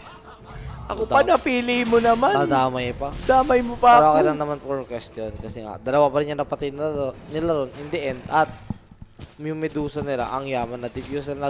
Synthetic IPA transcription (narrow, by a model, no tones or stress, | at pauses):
ʔɐkopɐnɐpiːlɪmonɐmaɐd̪aːmɐjpad̪aːmɐjmopalwakɐlaŋnɐmanpoɹkwɛst̪jonkɐsɛŋa̰d̪ɐlɐwapɐɾɪnːjɐŋnɐpɐt̪ɪd̪̚nnɪlaɾonʔɪnd̪ɪʔɛnd̪ɐt̪̚ | mɪmɛd̪uːsɐnɪla̰ʔɐŋjaːmɐnːɐd̪ɪpjusɛnɐ